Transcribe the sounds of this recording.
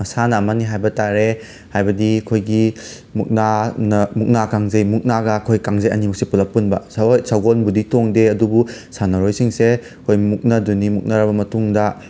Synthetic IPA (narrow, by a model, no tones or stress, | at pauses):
mɐsanɐːmaniɦajbɐtaɾe | hajbɐdikʰojɡi | muk̚nanɐmuk̚nakaŋzejmuk̚naɡɐkʰojkaŋzɐjɐ̰nimuk̚sepulɐpunbɐsojsaɡonbuditoŋdeɐdubusanɐɾojsiŋse | kʰojmuk̚nɐdunimuk̚nɐɾɐbɐmɐtuŋdɐ